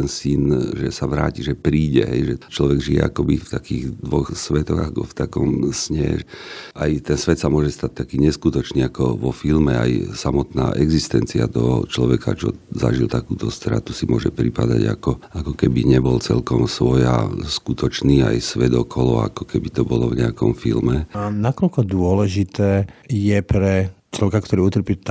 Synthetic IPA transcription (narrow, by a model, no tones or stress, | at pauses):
ɛnsinʒɛsaʋɾaːciʒɛpɾiːɟɛ̰ɦɛjʒɛt͡ʃlɔʋɛɡʒiɛ̰akɔbift̪akiːɣd̪ʋɔxsʋɛt̪ɔɣakɔ̰ft̪akɔmsɲɛʔajt̪ɛnsʋɛt̪samʊɔʒɛst̪ac̚t̪akiːɲɛskut̪ɔt͡ʃniːakɔʋɔfilmɛa̰jsamɔt̪na̰ːʔɛɡzist̪ɛnt͡sia̰t̪ɔɦɔ̰t͡ʃlɔʋɛka̰t͡ʃɔza̰ʒilt̪akuːt̪ɔst̪ɾa̰t̪usimʊɔʒɛpɾipad̪a̰ɟa̰kɔakɔkɛbiɲɛbɔlt͡sɛ̰lkɔmsʋɔja̰skut̪ɔt͡ʃniːa̰jsʋɛd̪ɔkʰɔlɔa̰kɔkɛbit̪ɔbɔlɔvɲɛakɔmfilmɛnakɔlkɔd̪ʊɔlɛʒit̪ɛːjɛpɾɛt͡ʃlɔʋɛkakt̪ɔɾiːut̪r̩pit̪